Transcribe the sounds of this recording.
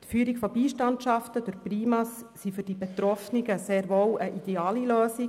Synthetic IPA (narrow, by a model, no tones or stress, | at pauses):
t̪fyːɾikfɔbiːʃtɑntʃɑftəd̥̪ʊɾpriːmɑsːifyɾd̥ibɛt̪ɾɔfnɪɡəseːɾʋoːwəʔid̥̪eɑːliløːsi